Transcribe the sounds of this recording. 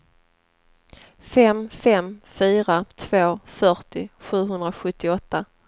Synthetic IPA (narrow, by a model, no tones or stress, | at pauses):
fɛmfɛmfyːɾat̪ʰv̥oːfœʈɪɧʉ̟ːɦɵnd̪ɾaɧɵt̪ːɪɔt̪ːa